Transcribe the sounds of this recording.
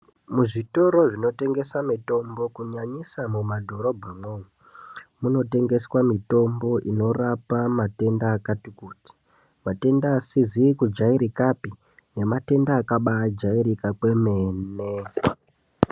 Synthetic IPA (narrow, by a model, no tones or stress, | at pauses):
muʐito̞ɾo̞ʐino̞te̞ŋɡe̞samito̞mbo̞kuɲaɲisamumadʱo̞ɾo̞bʱamwou | muno̞te̞ŋɡe̞swamito̞mbo̞ʔino̞rapamate̞ndaːkatikuːti̥ | mate̞ndaːsizikud͡ʒaiɾikapi | ne̞mate̞ndaːkaɓad͡ʒaiɾikakwe̞me̞ːne